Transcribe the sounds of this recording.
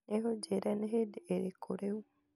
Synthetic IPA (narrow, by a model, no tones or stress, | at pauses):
neɦod͡ʒeɾɛnɦedeɾekʰoɾeu